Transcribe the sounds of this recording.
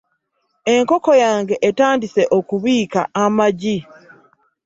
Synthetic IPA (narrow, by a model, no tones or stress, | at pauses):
e̞ŋko̞ko̞jaːŋɡe̞ʔːtaːndise̞ʔo̞kuβiːka̰amaɟi